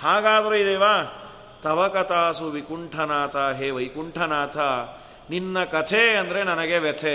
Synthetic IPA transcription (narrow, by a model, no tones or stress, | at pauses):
haːɡaːd̪ɐɾeid̪eːʋaː | t̪ɐʋɐkɐt̪aːsuʋikuɳʈʰɐnaːt̪ʰaɦeːʋɐjkuɳʈʰɐnaːt̪ʰa | ninːɐkɐt̪ʰeɐnd̪ɐɾenɐnɐɡeʋɛt̪ʰe